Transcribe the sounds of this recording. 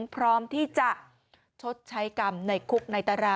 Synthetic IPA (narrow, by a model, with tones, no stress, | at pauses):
ŋpʰɾɔː˦˥mt̪ʰiː˥˩t͡ɕa˨˩ʔ | t͡ɕʰo˦˥t̪̚t͡ɕʰa˦˥jka˧mna˧jkʰu˦˥k̚na˧jt̪a˧ɾaː˧˩